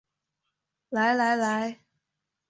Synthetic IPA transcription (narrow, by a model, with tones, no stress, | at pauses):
la˨˦jla˨˦jla˨˦j